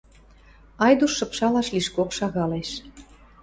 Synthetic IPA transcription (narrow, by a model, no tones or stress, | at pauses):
ɑjd̪uʃːɤ̆pʃɑlɑʃliʃkokʃɑɣɑleʃ